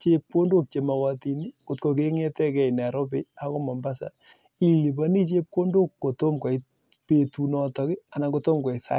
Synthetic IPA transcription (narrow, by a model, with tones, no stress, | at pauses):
t͡ʃe˦p̚ko˦ndo˦˨k̚t͡ʃe˨ma˨wa˨ti˨ni˦ko˨tko˨k̬e˦ŋe˦tɛ˦kɛ˦˨i˨n˨a˨ɾo˦pe˦a˨ko˦mɔ˨mba˦sa̰˨ | i˦li˨ba˦ni˦t͡ʃe˦p̚ko˦ndo˦kːo˨to˦mkɔ˨i˦ | pe˨tu˨nɔ˨tɔ˦kɪ˦a˨na˨ko˧to˦mkɔ˨i˨sa̰˦